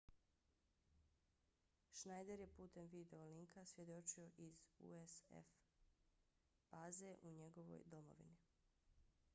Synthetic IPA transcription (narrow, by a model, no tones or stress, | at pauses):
ʃnajd̪eɾje̞puːt̪e̞mʋid̪e̞oliŋkʰasʋje̞d̪o̞t͡ʃio̞ʔizṵesḛf | b̥aːze̞ʔuɲe̞ɡo̞ʋo̞̰jd̪o̞mo̞̰ʋḭni